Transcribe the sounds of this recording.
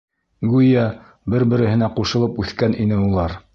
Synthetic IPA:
ɡʉjæ | bɘɾbɘ̆ɾɘ̆hɘ̆næquʃɤ̆lˠɤpʉθkænʔinɘulˠɑɾ

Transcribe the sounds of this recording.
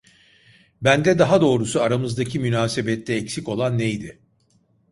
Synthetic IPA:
bænd̪ɛd̪aɦad̪o̞ːɾusuaɾamɯzd̪acʰimynaːsebɛt̪ːɛːcsiko̞lˠanːejd̪ɪ

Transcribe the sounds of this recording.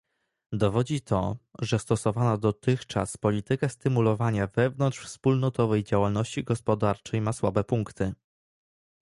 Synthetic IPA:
d̪ɔvɔd͡ʑit̪ʰɔ̰ʐɛst̪ɔsɔvanad̪ɔt̪ɘxt͡ʂa̰spɔlʲit̪ɘkast̪ɘmulɔvaɲavɛvnɔnt̪ʂfspulnɔt̪ɔvɛjd͡ʑawalnɔɕt͡ɕiɡɔspɔd̪aɾt͡ʂɛjmaswabɛpuŋkt̪ɘ

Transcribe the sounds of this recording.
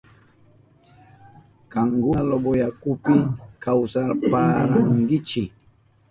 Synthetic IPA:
kaŋɡʊlobojakʊpɪkawsaɾpaɾaŋɡɪt͡ʃɪ

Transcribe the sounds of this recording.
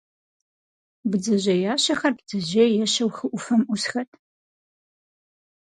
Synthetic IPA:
bɨd͡zɐʑɐjaːɕɐxɐrbd͡zɐʑeːjɛɕɐwxɨʔʷʊfɐmʔʷʊsxɐtʰ

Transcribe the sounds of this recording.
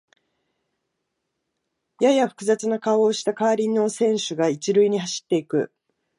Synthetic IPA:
jajaɸɯ̥kɯ̟zat͡sɨnakao̞ːɕi̥t̪akaːɾʲino̞sẽ̞ɰ̃ɕɨɡait͡ɕiɾɯ̟iɲ̟iɦaɕi̥t̪ːe̞ikɯ̟̰

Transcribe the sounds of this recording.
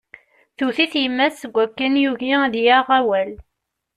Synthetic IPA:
θuθiθjəmːæsːəɡʷːækːænjuʝiðjaʁæwæl

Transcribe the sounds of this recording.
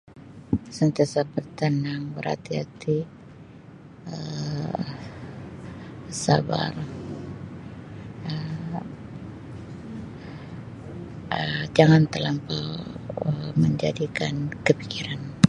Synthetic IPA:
sənt̪iasabərt̪ənaŋbəɾa̰t̪iɦa̰t̪i | ə | sa̰ba̰r | ə | əd͡ʒaŋant̪əlampawəməɲd͡ʒa̰dikankəpikiɾan

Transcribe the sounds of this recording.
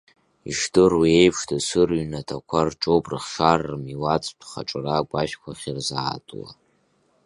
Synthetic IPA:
ḭʂtʰɨrwie̞jpʰʂtasɨrɥnatʰakʷʰarʈ͡ʂʼowpʼrɨχʂarːɨmiwat͡sʼtʷʰχa̰ʈ͡ʂʼraɡʷaʃkʷʰaχʲirzaːtʼla̰

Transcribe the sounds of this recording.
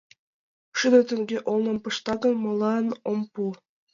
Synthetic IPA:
ʃyd̪øt̪ə̆ŋɡʲeʔolˠnə̆mpɤʃt̪ɑɣə̆nmɤ̆lɑnompu

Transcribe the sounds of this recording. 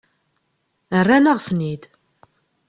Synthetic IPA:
ərːænəʁθnid̪

